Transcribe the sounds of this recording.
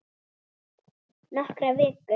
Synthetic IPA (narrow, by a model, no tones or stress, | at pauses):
nahkɾaveːkʏ